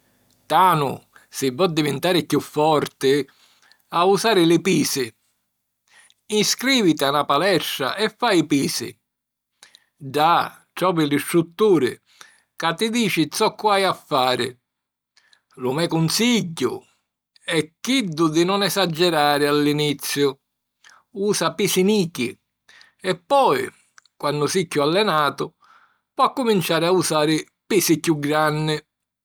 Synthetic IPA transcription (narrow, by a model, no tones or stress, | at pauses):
t̪aːnʊ̰ | sɪvːɔd̪ːivɪnt̪aːɾɪkjufːɔɾt̪ɪ | ausaːɾɪlɪpiːsɪ | inskɾiːvit̪ɪanapalɛʃːa̰ʔɛfːajpiːsɪ̰ | ɖa | ʈɾɔːbɪlɪst̪ɾut̪ːuːɾɪ̰ | kat̪ːɪd̪iːt͡ʃɪt̪sɔkːwajafːaːɾɪ̰ | lʊmɛkʊnsiɟːʊ̰ | ɛkːid̪ːʊd̪ɪnɔnɛsad͡ʒːɛɾaːɾɪalːinit̪sːjʊ | uːsapisɪniːkɪ̰ | ɛpːɔːj | kwanːʊsicːʊalːɛnaːt̪ʊ | pwɔakːʊmint͡ʃaːɾɪausaːɾɪ | pisɪkjuɡɾanːɪ